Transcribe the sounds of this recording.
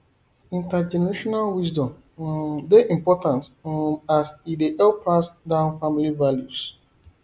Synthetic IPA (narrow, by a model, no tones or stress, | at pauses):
ĩntad͡ʒɛnɛɹeʃɔnalwisdɔ̃m | deʔĩmpɔtãntasideʔɛlplasdãʊ̃nfamilivaljus